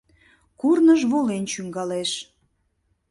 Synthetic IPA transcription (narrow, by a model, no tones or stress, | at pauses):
kurnəʒβolent͡ɕyŋɡɑleʃ